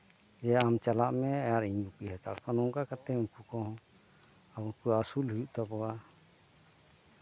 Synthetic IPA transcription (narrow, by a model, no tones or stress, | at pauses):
d͡ʒɛaamt͡ʃalaʔmɛajaɾiɲupiɦɛt̪a̰ɽkɔnɔŋkakat̪ɛuɲkukɔ̃ɦɔ̃ | awukuasulhujuʔt̪ɔpɔwa